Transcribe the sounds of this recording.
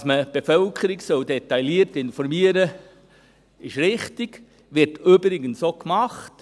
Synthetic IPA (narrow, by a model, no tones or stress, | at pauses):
sməb̥efœlkʰəɾɪɡsœldɛt̪ɑjliərtɪnfɔɾmiəɾə | ɪʃɾɪχtiɡ | ʋɪrtøbɾɪɡənsokmɑχt